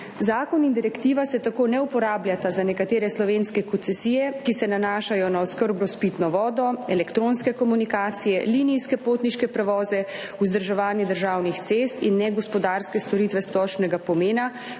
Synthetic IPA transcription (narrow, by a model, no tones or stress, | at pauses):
zaːkɔnind̪iɾɛkt̪iːʋasɛt̪akonɛupɔɾaːbljat̪azanɛkat̪eːɾɛslɔʋeːnskɛkɔnt̪sɛsiːjɛkisɛnanaːʃajɔnaɔskəɾbnɔspiːt̪nɔʋɔːd̪ɔɛlɛkt̪ɾonskɛkɔmunikaːt̪sijɛliniskɛpoːt̪niʃkɛpɾɛʋɔːzɛ | uzd̪əɾʒɛʋaːnjɛd̪əɾʒawnixt̪sest̪ḭnːɛɡɔspɔd̪aɾskɛst̪ɔɾit̪ʋɛsplɔʃnɛɡapɔmeːna